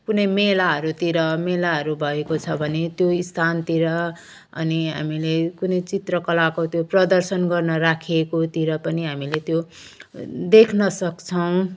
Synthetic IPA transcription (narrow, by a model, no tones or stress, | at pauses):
kunʌjmelaɦʌɾut̪iɾʌmelaɦʌɾubʱʌekot͡sʰʌbʱʌnet̪joist̪ʰant̪iɾʌ | ʌ̰niɦa̰milekunʌjt͡sit̪rʌkʌlakot̪joprʌd̪ʌrsʌnɡʌrnʌɾakʰekot̪iɾʌpʌniɦamilet̪jo | d̪ekʰnʌsʌkt͡sʰʌw̃